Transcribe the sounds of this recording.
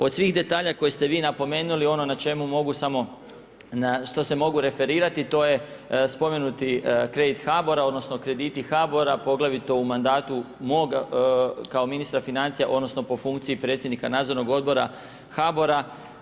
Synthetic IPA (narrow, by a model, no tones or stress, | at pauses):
o̞d̪sʋiːɣd̪e̞t̪aːʎakojest̪e̞ʋiːnapo̞me̞ːnulio̞no̞nat͡ʃe̞mumo̞ɡusamo̞ | naʃt̪o̞se̞mo̞ɡuɾe̞fe̞ɾiːɾat̪it̪o̞ːje̞ | spo̞me̞nut̪ikɾe̞d̪it̪xabo̞ɾao̞d̪no̞sno̞kɾe̞d̪iːt̪ixabo̞ɾapo̞ɡlˠaʋit̪o̞umand̪aːt̪umo̞ɡ | kao̞minist̪ɾafinant̪sijaʔo̞d̪no̞sno̞po̞fuŋkt̪siipɾet̪sʲjed̪nikanaːd̪zoɾno̞ɡo̞d̪bo̞ɾa̰ | xabo̞ɾa